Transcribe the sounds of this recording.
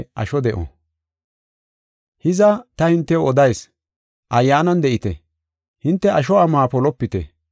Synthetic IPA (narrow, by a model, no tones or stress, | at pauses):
ʔɐ̰ʃɔd̪ɛʔɔ̰ | hɪzɐt̪ɐhɪnt̪ːɛwɔd̪ɐjs | ʔɐjːaːnɐnd̪ɛʔɪt̪ɛ̰ | hɪnt̪ːɛɐʃ̬ɔɐmaːpɔlɔpːɪt̪ɛ̰